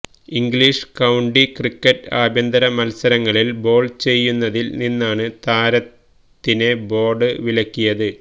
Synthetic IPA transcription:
iŋɡɭiʂkɐwɳɖikrikːɐʈːaːbʱjɐnd̪ɐɾɐmɐlsɐɾɐŋːɐɭilbo̞ːɭt͡ɕe̞jːunːɐðilninːaːɳɨt̪aːɾɐt̪ː | inebo̞ːɖɨʋilɐkʲːijɐðɨ

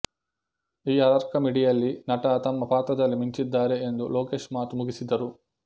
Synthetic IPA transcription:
iːɐɾɐɾkɐmiɽijɐlːinɐʈɐt̪ɐmːɐpaːt̪ɾɐd̪ɐlːimiɲt͡ʃid̪ːaːɾe̞end̪ulo̞ːke̞ːʂmaːt̪umuɡisid̪ɐɾu

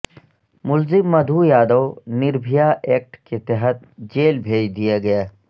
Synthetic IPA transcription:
mʊlzɪmːɐd̪ʱujaːd̪əwnɪɾbʱijaʔeːk̚ʈket̪ɛɦət̪d͡ʒeːlbʱeːd͡ʒd̪ijaɡɐjaː

